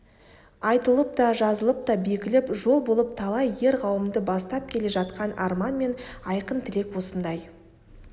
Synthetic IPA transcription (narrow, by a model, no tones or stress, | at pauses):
ɑjt̪əlˠəp̚t̪ɑʒɑzəlˠəp̚t̪ɑbe̞kʲɪlɪpʒo̞lˠbo̞lˠəp̚t̪ʰɑlˠɑjːe̞ɾʁʰɑwəmd̪əbɑst̪ɑp̚kʲʰe̞le̞ʒɑt̪qɑnɑ̰ɾmɑnme̞nɑjqənt̪ʰɪle̞kwo̞sənd̪ɑj